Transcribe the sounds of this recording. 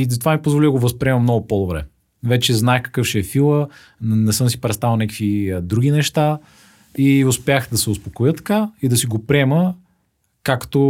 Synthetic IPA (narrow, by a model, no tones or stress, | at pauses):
izɐt̪ovamipozvolid̪ɐɡovɐspɾiɛmɐmnɔɡʊpɔd̪obɾɛ̰ | vɛt͡ʃɛznaɛxkɐ̥kɤfʃɛɛfilˠə | nɛsɤmsi̥pɾɛt̪st̪avəlˠnɛkə̥kvid̪ɾuɡ̟ʲinɛʃt̪a | iʊspʲjaxd̪ɐsɛʊspokojət̪ːɐ̥kaid̪ɐsiɡopɾiɛmə | kakt̪o